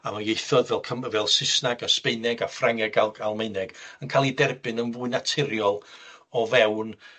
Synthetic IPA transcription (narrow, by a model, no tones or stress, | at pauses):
amanɡejθɔðvɛlˠkʰəmvɛlˠsɪsnaɡaspeɨnɛɡafraŋɛɡalˠɡalˠmejnɛɡ̥ənkʰalˠidɛrbɨnənvuːɨnatʰɪɾjɔlˠ | ɔvɛwn